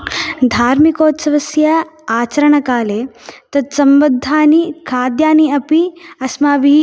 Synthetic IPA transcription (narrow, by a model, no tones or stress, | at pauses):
d̪ʱaːɾmikoːt̪sɐʋɐsjɐaːt͡ʃɐɾɐɳɐkaːleːt̪ɐd̪sɐmbɐd̪ʱːaːnikʰaːd̪jaːniɐpiɐsmaːʋi